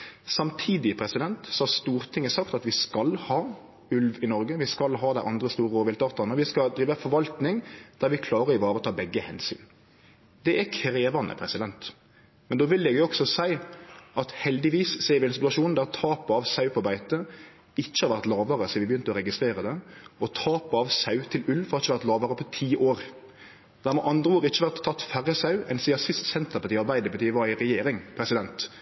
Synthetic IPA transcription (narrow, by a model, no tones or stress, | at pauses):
sɑmt̪ʰiːd̪ɪpʰɾɛsɪd̪ɛnt̪sɔhɑʁst̪uːɾt̪ʰɪŋːəsɑkt̪ɑt̪ʋɪskɑlhɑː | ʉlʋɪnɔɾɡəʋɪskɑlɦɑːd̪æɪʔɑnd̪ɾəst̪uːɾəoːʋɪlt̪ɑːt̪ɑʁnəɔʋɪskɑld̪ɾiːʋəfɔɾʋɑlt̪nɪŋd̪̥æɾʋɪkʰlɑːʁəɾɪʋɑːɾət̪ʰɑːbɛɡːəhɛ̰nsy̰ːn | d̪ɛækʰɾeːʋɑnə̰pʰɾɛsɪd̪ɛnt̪ | mɛnd̪oːʋɪlːɛɡjʊɔksɔsæɪʔɑt̪hɛld̪ɪʋiːsseːɾʋɪɛnsɪt̪ʉɑʂuːnd̪æʁt̪ʰɑːpɑʋsɑʉpʰɔbæɪt̪ə | ɪt͡ʃːə̥hɑɾʋæɾt̪lɑːʋəɾəsiʋɪbəjʏnt̪əɔɾɛɡɪst̪ɾeːɾəd̪ɛɔt̪ʰɑːpɑʋsɑʉt̪ʰɪlʉlfɔɑɾɪçːəʋæɾt̪lɑːʋəɾəpʰɔt̪ʰiːʔoːɾ | d̪̥æɾmɛʔɑnd̪ɾəoːɾɪçːəʋæɾt̪ʰːɑt̪ːfæɾəsɑʉɛnsiːɑsɪst̪sɛnt̪əɾpɑt̪iːɑɾbæɪd̪əɾpʰɑt̪iːʋɑɾɪɾɛjeːɾɪŋpʰɾɛsɪd̪ɛnt̪